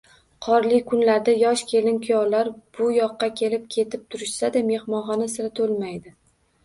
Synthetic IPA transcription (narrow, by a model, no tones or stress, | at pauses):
qʰɒɾlɪkʰʊnlaɾd̪ajɒʃkʲʰe̞lɪnkʲʰʊjɒlaɾb̥ʊjɒqːɑkʲʰe̞lɪp̚kʲʰe̞t̪ʰɪp̚t̪ʰʊɾɪʃsad̪ame̞hmɒnχɒnasɪɾat̪ʰolmajd̪ɪ